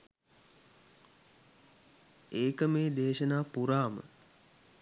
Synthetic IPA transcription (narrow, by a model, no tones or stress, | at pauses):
eːkəmeːd̪eːʃənaːpuɾaːmə̰